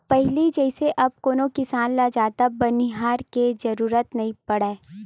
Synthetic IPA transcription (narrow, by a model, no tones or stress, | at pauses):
pɛɦlid͡ʒɛːɪseʔɐb̚koːnõkɪsaːnlad͡ʒaːt̪abɐniɦaːɾkezɐɾuːɾət̪nɐɦĩpɐɽeː